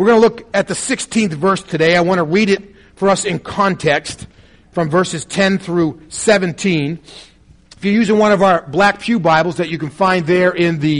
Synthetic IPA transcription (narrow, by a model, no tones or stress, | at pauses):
wəɹɡʌnəlʊkɨt̪̚ðɨsɪkstʰĩnθvɜ˞stʰɨdeɪaɪwɑ̃ñəɹiɾɨt̚ | fə˞ʌsɨ̃nkʰɑ̃ntʰɛkst | fɹʌ̃ɱvɜ˞sɨz̥tʰɛ̃nθɹʉsɛvɨ̃ntʰĩn | ɪfjə˞jʉzɪ̃ŋwʌ̃ñʌvaə˞blæk̚pʰjʉbaɪbl̩ˠzðɨt͡ʃɨkɨ̃nfãɪ̃nðə˞ʔɪ̃nðɨ